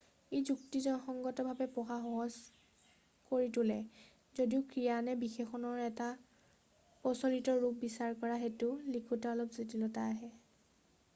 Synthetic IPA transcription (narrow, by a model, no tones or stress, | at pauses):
ejzuktizɔnɔxɔŋɡɔtɔbʱabɛpɔxaɦɔɦɔs | koɹitʊlɛ | zodiʊkɹijanɛbixexɔnɔɹɛta | pɔsɔlitɔɹup̚bisaɹkɔɹaɦetʊlikʰutaɔlɔpzitilɔtaɦɛ